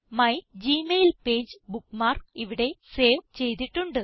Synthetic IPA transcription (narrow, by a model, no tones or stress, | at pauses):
mɐjd͡ʑiːmejlpe̞ːd͡ʑɨbukːmaːriʋiɽe̞se̞ːʋt͡ɕe̞jt̪̬iʈːuɳɖɨ